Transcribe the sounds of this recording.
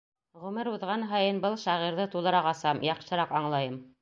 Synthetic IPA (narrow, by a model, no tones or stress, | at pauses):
ʁɵ̆mɘɾuðʁɑnɦɑjɤnbɤlˠʃɑʁiɾðɤt̪ulˠɤ̆ɾɑʁɑsɑmjɑqʃɤ̆ɾɑqɑɴlˠɑjɤm